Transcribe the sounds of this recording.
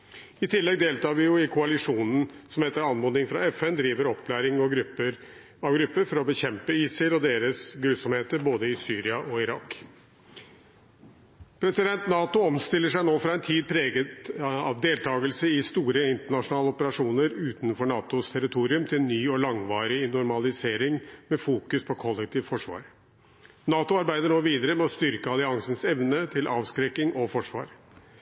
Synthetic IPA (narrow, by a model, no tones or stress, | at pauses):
ɪt̪ʰɪlːɛɡ̚d̪eːlt̪ɑːʋɪjʊɪkʰʊɑlɪʂuːnn̩sɔmheːt̪ːəɾɑnmʊd̪nɪŋfɾɑ̰ɛfɛnd̪ɾiːʋəɾɔpʰːlæːɾɪŋɡɾə | ɑʋɡɾʉpːəɾfɔɾɔbəçɛmpəiːsəɾɔd̪eːɾəsɡɾʉːsɔmheːt̪əɾboːd̪əɪsyːɾɪɑʔɔɪɾɑkː | pʰɾɛsɪd̪ɛnt̪nɑːt̪ʊɔmst̪ɪlːəʂæɪnoːfɾɑːɛnt̪ʰiːd̪̚pʰɾeːɡət̪ɑʋd̪eːlt̪ʰɑːɡəlsəɪst̪uːɾəɪnt̪əɳɑʂʊnɑːləɔpəɾɑʂuːnəɾʉːt̪n̩fɔɳɑːt̪ʊst̪ʰɛɾɪt̪ʰuːɾɪʉmt̪ʰɪlnːyːɔlɑŋʋɑːɾɪɪnʊɾmɑlɪseːɾɪŋmɛfuːkʉspʰɔkʰɔlːɛkt̪ʰiːʋfɔʂʋɑ̰ːɾ | nɑːt̪ʊɑɾbæɪd̪əɳoːʋiːd̪əɾəmɛɔst̪ʏɾkəɑlɪɑŋsənsɛʋnət̪ʰɪlʔɑːʋskɾɛkːɪŋʔɔfɔʂʋɑ̰ːɾ